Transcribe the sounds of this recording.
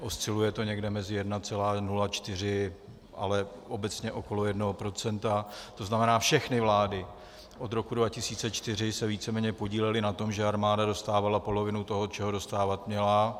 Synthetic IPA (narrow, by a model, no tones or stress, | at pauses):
ʔost͡sɪlujɛt̪o̞ɲɛɡdɛmɛzɪjɛdnat͡sɛlaːnulat͡ʃt̪ɪr̝ɪ | ʔa̰lɛ | ʔo̞bɛt͡sɲɛʔo̞ko̞lo̞jɛdnoɦopɾo̞t͡sɛnt̪at̪o̞znamɛnaːfʃɛxnɪvlaːdɪ | ʔo̞d̪ɾo̞kudvacɪsiːt͡sɛt͡ʃt̪ɪr̝ɪsɛviːt͡sɛmɛːɲɛpo̞ɟiːlɛlɪnat̪o̞mʒɛaɾmaːdado̞st̪aːvalapo̞lo̞vɪnut̪o̞ɦot͡ʃɛɦodo̞st̪aːvat̪mɲɛla